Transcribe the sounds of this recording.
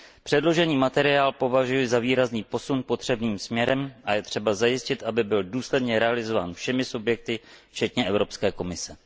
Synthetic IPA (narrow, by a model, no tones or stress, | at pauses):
pr̝̥ɛdlo̞ʒɛɲiːmat̪ɛɾɪaːlpo̞vaʒujɪzaviːɾazniːpo̞sunpo̞t̪r̥ɛbniːmsmɲɛɾɛmʔajɛt̪r̥ɛbazajɪscɪt̪ʔabɪbɪlduːslɛdɲɛɾɛalɪzo̞vaːnfʃɛmɪsubjɛk̚t̪ɪft͡ʃɛt̪ɲɛʔɛvɾo̞pskɛːko̞mɪsɛ